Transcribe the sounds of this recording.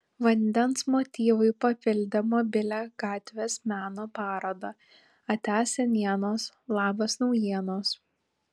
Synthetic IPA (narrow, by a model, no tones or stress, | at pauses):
ʋɐnʲd̪ʲɛnsmot̪ʲiːʋʊɪpɐpʲɪlʲd̪ʲɛmoːbʲɪlʲæːɡ̥ɑːt̪ʲʋʲeːsmʲæːnoːpɑːɾɐd̪ɐ | ɐt̪ʲæːsʲɛnʲiɛnoːs | lˠɑːbɐsnɒʊjiɛnoːs